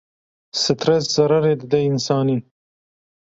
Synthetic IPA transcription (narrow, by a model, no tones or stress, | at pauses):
sɪt̪ɾesz̥aɾaɾed̪əd̪eɪnsɑni